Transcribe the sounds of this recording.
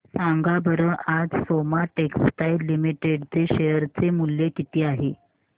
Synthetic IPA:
saŋɡabəɾəʔad͡zsomaʈeksʈajlimiʈeɽt͡seɕejəɾt͡semuljekit̪iːaɦe

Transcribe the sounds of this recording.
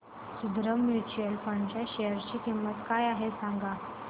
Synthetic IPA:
sud̪ɾəmjut͡ɕuəlfəɳɖt͡ɕjaɕejəɾt͡ɕiːkimːət̪kajaɦesãŋɡa

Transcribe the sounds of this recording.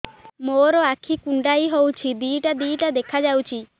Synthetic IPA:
moɾɔakʰikuɳɖajɦowt͡ʃʰid̪iːʈad̪iːʈad̪ekʰad͡ʒawt͡ʃʰi

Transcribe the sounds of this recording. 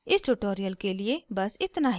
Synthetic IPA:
ɪsʈuʈoːɾijəlkeːlɪeːbəsɪt̪naːɦ

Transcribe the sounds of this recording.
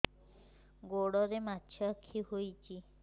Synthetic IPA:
ɡoɽɔɾematːt͡ʃʰɔakʰːihojt͡ʃi

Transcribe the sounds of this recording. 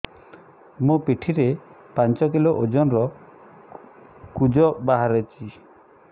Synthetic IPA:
mũpiʈʰiɾe | pant͡ʃɔkiloʔod͡ʒɔnɔɾɔ | kud͡ʒɔbaɦaɾet͡ʃʰi

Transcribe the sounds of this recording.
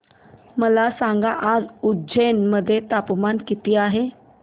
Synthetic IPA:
məlasãŋɡaʔad͡zudd͡ʑenməd̪ʱːjet̪apmankit̪iːaɦe

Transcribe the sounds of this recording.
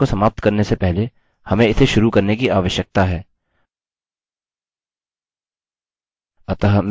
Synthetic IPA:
osɐmaːp̚t̪kɐɾnesepɛɦle | hɐmẽɪt̪ʰeʃʊɾukɐɾnekiaːʋəʃjək̚t̪aɦɛː | ɐt̪aɦm

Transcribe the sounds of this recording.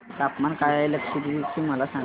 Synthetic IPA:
t̪apmankajləkʂit̪ʋit͡ɕiːməlasãŋ

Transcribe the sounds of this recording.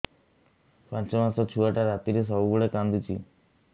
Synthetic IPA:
pãnt͡ʃɔmãsɔt͡ʃʰuaʈaɾat̪iɾis̬ɔuɡuɭekãnd̪it͡ʃʰḭ

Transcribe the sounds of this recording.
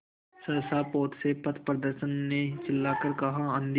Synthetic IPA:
sɐɾsaːpoːt̪sepɐt̪ʰpɾəd̪əɾʃənːet͡ʃɪlːaːkəɾkɐɦãə̃nd̪

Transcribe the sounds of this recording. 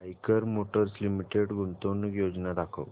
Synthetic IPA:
ajkəɾmoʈəɾslimiʈeɽɡʱunt̪onəkjod͡znad̪akʰə̰ʋ

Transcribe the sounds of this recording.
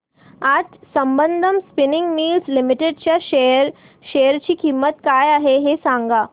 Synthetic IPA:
ad͡ʑsəmbənd̪ʱəmspinɪŋɡmiːlslimiʈeɖt͡ɕjaeəɾ | ʃejəɾt͡ɕiːkimːət̪kajaɦeɦesãŋɡa

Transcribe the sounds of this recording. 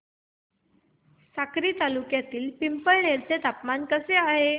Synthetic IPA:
sakɾiːt̪alukjat̪iːlpimpəɭɳeɾt͡set̪apmankəseaɦe

